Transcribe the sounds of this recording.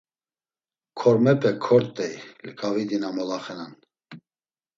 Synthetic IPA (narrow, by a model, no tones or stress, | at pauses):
kʰɔɾmɛpʰʼɛkʰɔɾt̪ʼːɛjlkʼavid̪inamɔlaχɛnan